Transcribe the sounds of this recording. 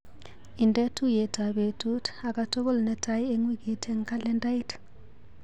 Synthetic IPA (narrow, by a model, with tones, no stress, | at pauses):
indɛ˦tu˦je˨ta˨be˨tu˦ta˨ka˦to˦βɔ˦lnɛ˦tʰaje˦ŋwi˦ɡi˨tʰe˦ŋka˦le˦nda˦jt